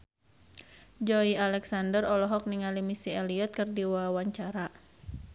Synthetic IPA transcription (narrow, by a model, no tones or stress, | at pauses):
d͡ʒɔialɛksandərɔlɔɦɔk̚niŋalimisiɛliɔt̪̚kɨrdiwawaɲt͡ʃaɾa